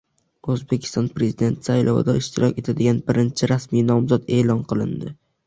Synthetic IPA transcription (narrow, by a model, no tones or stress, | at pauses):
ɵzbe̞kʲʰɪ̥st̪ɒnpɾe̞zid̪e̞nt̪ʰsajlʔɒ̰vɪ̰d̪aɪʃt̪ɪɾɒkʲe̞t̪ʰad̪ɪɡʲanbɪɾɪnt͡ʃʰɪɾasmijnɒmzɒd̪e̞ːlˠɒnqʰɨlˠɪnd̪ɪ